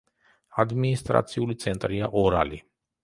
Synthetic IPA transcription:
ad̪minist̪ʼɾa̰t̪sʰiulit̪sʰɛnt̪ʼɾiaʔɔɾali

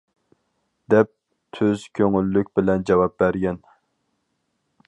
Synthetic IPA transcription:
d̪ɛp̚ | t̪ʰøz̥kʲʰøŋylːykʲbɪlɛnd͡ʒɛwɑp̚bæɾɡʲɛn

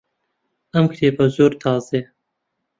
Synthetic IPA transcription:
ɐmkʰɾeːpɐzoːɾt̪ʰɑːzeː

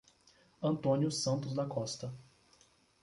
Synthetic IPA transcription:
ɐ̃nt̪õnjʊsɐ̃nt̪ʊzd̪ɐkɔst̪ɐ

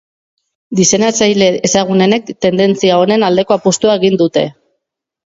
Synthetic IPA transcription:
d̪ise̞nasajle̞ːsaɣ̞une̞ne̞kt̪e̞nd̪e̞nt͡siao̞ne̞nald̪e̞ko̞apust̪uae̞ɣ̞ind̪ut̪e̞

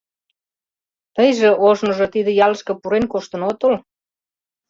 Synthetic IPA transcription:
t̪əjʒĕʔoʒnoʒot̪id̪ə̆jɑləʃkɤ̆puɾenkoʃt̪ə̆not̪ol

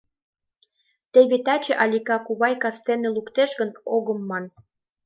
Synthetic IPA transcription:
t̪eβet̪ɑt͡ɕeʔɑlʲikɑkuβɑjkɑst̪enelukt̪eʃɡə̆noɣə̆mːɑn

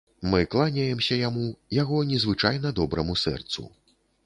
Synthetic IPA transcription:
mɨklˠanʲajɛmsʲɐjamujaɣɔnʲɛzvɨt͡ʂajnɐd̪ɔbɾɐmusɛ̰rt̪sṵ

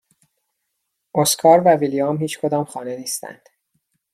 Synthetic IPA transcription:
ʔoskʰɒːɾvævilijɒmhiːt͡ʃkʰo̞d̪ɒːmχɒːneniːst̪æ̰nd̪̥

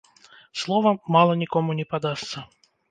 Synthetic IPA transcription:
slˠɔvɐmalˠɐnʲikɔmunʲɛpad̪ast̪sɐ

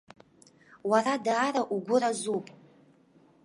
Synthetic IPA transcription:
waradaːɾaʔuɡʷʊɾazupʼ

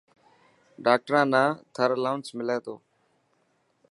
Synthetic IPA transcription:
ɖaːk̚ʈəɾãːnãːt̪ʰəɾəlaːʊnsmɪleːt̪oː

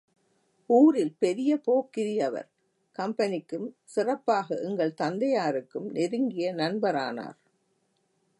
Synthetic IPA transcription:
uːɾɪlpɛɾɪjɐpoːkːɪɾɪjɐʋɐ̰ɾ | kɐmpɐnɪkːɯm | sɪrɐpːaːɣɐʔɛŋɡɐɭt̪ɐnd̪ɐjaːɾɯkːɯmnɪɾɯŋɡɪjɐnɐnbɐɾa̰ːna̰ːɾ

